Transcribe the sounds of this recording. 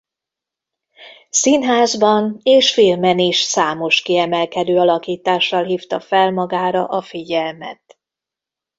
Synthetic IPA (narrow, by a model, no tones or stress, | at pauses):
sinɦaːzbɒneːʃfilmɛniʃsaːmo̞ʃkiɛmɛlkɛd̪øːɒlɒkiːt̪aːʃːɒlɦiːft̪ɒfɛlmɒɡaːɾɒ̰ʔɒfiɟɛlmɛ̰t̪